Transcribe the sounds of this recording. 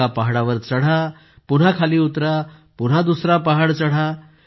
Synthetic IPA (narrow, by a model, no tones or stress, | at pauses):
apaɦaɽaʋəɾt͡səɽ̤a | puɽ̤akʰaliːut̪ɾapun̤ad̪usɾapaɦaɽt͡səɽ̤a